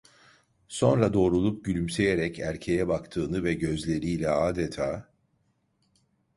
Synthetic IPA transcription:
so̞nɾad̪o̞ːɾulˠup̚ɟylʲymse̞jeɾɛcʰæɾcʰe̞jɛbakt̪ʰɯːnɯvɛɟø̞zlʲe̞ɾiːlʲɛaːd̪et̪ʰaː

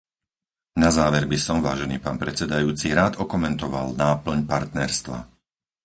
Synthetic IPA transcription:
nazaːʋɛɾbisɔmʋaːʒɛniːpaːnpɾɛt͡sɛd̪ajuːt͡siɾaːd̪ɔkɔmɛnt̪ɔʋa̰lnaːpl̩ɲpaɾt̪nɛɾst̪ʋa̰

